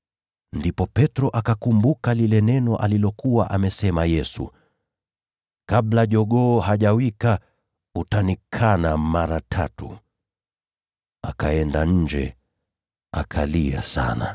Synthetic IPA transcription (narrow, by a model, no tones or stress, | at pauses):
ndipɔpɛtɾɔʔakakumbukalilɛnɛnɔʔalilɔkuwaʔamɛsɛmajɛsṵ | kaɓlaʄɔɠɔːhaʄawika | utanikʰanamaɾatʰatu | akaɛndaɲ̩d͡ʒɛ̰ | akʰalia̰sa̰na̰